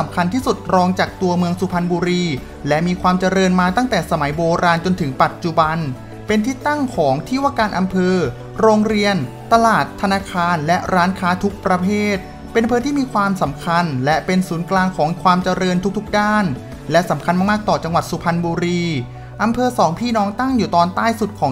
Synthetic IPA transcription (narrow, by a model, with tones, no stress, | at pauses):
mkʰa˧nt̪ʰiː˥˩su˨˩t̪̚ɾɔː˦˥ŋt͡ɕaː˨˩k̚t̪u˧ɐmɯ˧əŋsu˧pʰa˧nbuː˧ɾiː˧ | lɛ˦˥ʔmiː˧kʰwaː˧mt͡ɕa˧ɾɤː˧nmaː˧t̪a˥˩ŋt̪ɛː˨˩sa˧ma˩˦jboː˧ɾaː˧nt͡ɕo˧nt̪ʰɯ˩˦ŋpa˨˩t̪̚t͡ɕu˨˩ba˧n | pe˧nt̪ʰiː˦˥˩t̪ːa˥˩ŋkʰɔː˩˦ŋt̪ʰiː˥˩waː˥˩kaː˧nʔa˧mpʰɤː˧ | ɾoː˧ŋɾi˧ən | t̪a˧laː˨˩t̪ʰːa˧naː˧kʰaː˧nlɛ˦˥ʔɾaː˦˥nkʰaː˦˥t̪ʰu˦˥k̚pɾa˧pʰeː˥˩t̪̚ | pe˧nʔa˧mpʰːt̪ʰiː˥˩miː˧kʰwaː˧msa˩˦mkʰa˧nlɛ˦˥pe˧nsuː˩˦nklaː˧ŋkʰɔː˩˦ŋkʰwaː˧mt͡ɕa˧ɾɤː˧nt̪ʰu˥k̚t̪ʰu˦˥k̚daː˥˩n | lɛ˦˥sa˩˦mkʰa˧nmaː˥˩kmaː˥˩k̚t̪ɔː˨˩t͡ɕa˧ŋwa˨˩su˨˩pʰa˧nbuː˧ɾiː˧ | ʔa˧mpʰɤː˧sɔː˩˦ŋpʰiː˥˩nɔː˦˥ŋt̪a˥˩ŋjuː˨˩t̪ɔː˧nt̪aː˥˩jsu˨˩t̪̚kʰɔː˩˦